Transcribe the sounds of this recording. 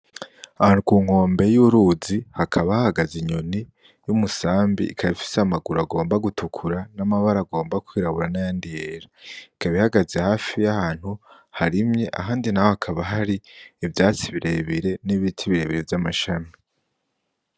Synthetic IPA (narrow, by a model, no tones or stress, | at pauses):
ahanukuːŋ̥o̞ːmbe̞juɾuzihakʰaβahahaɡaziɲoni | jumusaːmbḭikʰaβifi̥seamaɡuɾaɡo̞ːmbaɡutʰukʰuɾanamaβaɾaɡo̞ːmbakwiːɾaβuɾanajaːndijeɾaikaβihaɡazehaːfijahaːn̥hu | haɾimɲe̞ʔa̰ɦaːndinahohakʰaβaɦaɾiːvjaːt͡siβiɾe̞βiɾe̞niβitʰiβiɾe̞βiɾe̞vjamaʃami